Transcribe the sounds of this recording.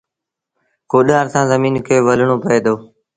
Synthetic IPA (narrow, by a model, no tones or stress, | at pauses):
koːɗaːɾsãːzəmiːnkəoːʋələɳoːpəeːd̪oː